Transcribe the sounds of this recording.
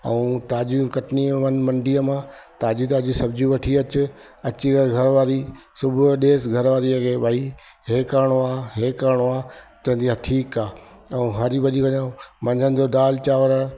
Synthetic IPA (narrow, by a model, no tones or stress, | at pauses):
ɐ̰ũːt̪aːd͡ʑikɐʈnimɐnmɐ̃ɳɖiːəmãt̪aːd͡ʑit̪aːd͡ʑisɐbd͡ʑiʋɐʈʰiɐt͡ɕʊ | ɐt͡ɕiɡɐɡʱɐɾʋaːɾisʊbʱʊɗeːsɡʱɐɾʋaːɾiɐkʰeːbaːi | ɦeːkaːɽ̃oaːɦeːkaːɽ̃oaːt̪ɐ̃ɦnd̪iaʈʰiːkaːɐũɦaɾibʱɐʄikɐɲaːũmɐ̃ɲd͡ʑʱənɪ̆d͡ʑoːdaːlt͡ɕaːʋɾ